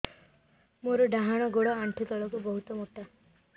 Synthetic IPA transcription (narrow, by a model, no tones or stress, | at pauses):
moɾɔɖaɦaɽ̃ɔɡoɽɔaɳʈʰit̪ɔɭɔkubɔɦut̪ɔmoʈa